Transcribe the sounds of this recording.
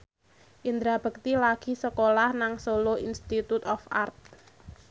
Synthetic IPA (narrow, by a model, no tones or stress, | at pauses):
ʔind̪ɾab̥ə̤k̚t̪ilaɡ̥i̤səkolahnaŋsoloinst̪it̪ut̪ɔfa̰rt̪̚